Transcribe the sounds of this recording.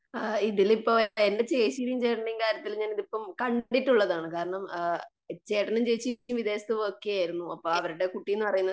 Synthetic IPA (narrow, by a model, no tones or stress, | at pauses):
iðilipːo̞ːende̞t͡ɕeːɕiɾijumt͡ɕejʈːɐɳɖijinkaːɾjɐt̪ːilɲaːniðipːɐmkɐɳɖitːuɭːɐðaːɳɨkaːɾɐɳɐm | t͡ɕe̞ːʈːɐnɐmt͡ɕejt͡ɕːiumʋid̪eːsɐt̪ːɨoːkːijaːjiɾunːuɐpːoːɐʋɐɾuɽe̞kuʈːijenːɨpɐrɐjunːɐ